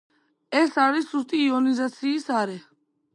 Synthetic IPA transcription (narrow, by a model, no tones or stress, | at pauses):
ɛsaːɾisust̪ʼiːɔnizat̪sʰiːsaːɾɛ